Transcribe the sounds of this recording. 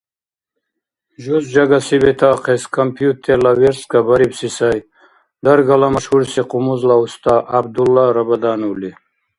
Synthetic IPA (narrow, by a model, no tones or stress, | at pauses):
ʒuzd͡ʒaɡasibet̪ʰaqʰeskʰampʰijut̪ʰːeɾlaveɾskabɐɾibsisaj | d̪ɐɾɡalamɐʃhuɾsiqʰumuzlaust̪ʰaʔabd̪ulːaɾɐbɐd̪aːnuli